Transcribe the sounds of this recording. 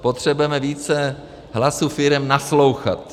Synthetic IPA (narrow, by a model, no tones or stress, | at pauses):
pot̪r̝̥ɛbujɛmɛviːt͡sɛ | ɦlasuːfɪɾɛmnaslo̞wxa̰t̪